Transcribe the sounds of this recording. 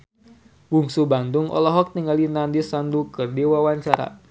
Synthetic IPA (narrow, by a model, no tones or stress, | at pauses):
wuŋsuband̪uŋɔ̰lɔɦɔk̚t̪iŋalinandisandukɨrdewawaɲt͡ʃaɾa̰